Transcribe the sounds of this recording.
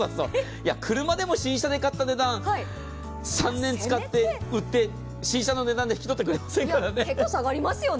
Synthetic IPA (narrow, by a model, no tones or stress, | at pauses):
aso | jakʰɯ̟ɾɯ̟mad̪e̞mo̞ɕĩɰ̃ɕad̪e̞kat̪ːane̞d̪ãi | sãnːẽ̞nt͡sɨkat̪ːe̞ɯ̟t̪ːe̞ | ɕĩɰ̃ɕano̞ne̞d̪ãnd̪eçikʲit̪o̞t̪ːekɯ̟ɾe̞masẽ̞ŋkaɾane̞kːosaɡaɾʲimasɨjo̞